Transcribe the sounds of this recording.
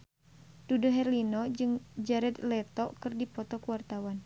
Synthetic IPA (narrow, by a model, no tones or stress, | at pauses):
d̥udoɦɛrlinɔd͡ʒɨŋd͡ʒaɾɛd̪lɛt̪ɔkɨrdipɔt̪ɔkuwart̪awan